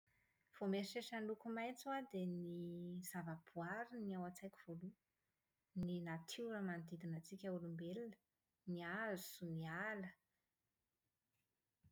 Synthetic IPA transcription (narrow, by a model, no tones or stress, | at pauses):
v̥omeɾiʃeʃanlukumajt͡swad̪eniz̥avəb̥uaɾiniawat͡sajkʲi̥v̥olu | ninat̪ʰiɾəmand̪id̪inət͡sikʲəulumbelinə̥ | niazu̥sunialə